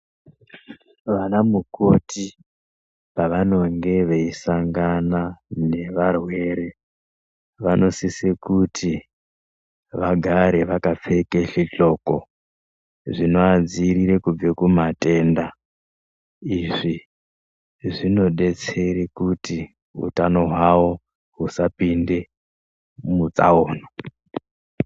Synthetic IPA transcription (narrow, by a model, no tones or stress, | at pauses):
ʋanamuko̞ti | paʋano̞ŋɡe̞ʋe̞isaŋɡanane̞ʋarwe̞ɾe̞ | ʋano̞sisekutʰi | ʋaɡʱaɾe̞ʋakap͡fe̞keɬiɬo̞ːko̰ | ʐino̞ad͡ziɾiɾe̞kub͡vekumate̞ːnda | iʐi | ʐino̞ɗe̞t͡se̞ɾekuti | ṵtano̞ɦwawo | ɦusapinde̞ | mut͡sa̰oːno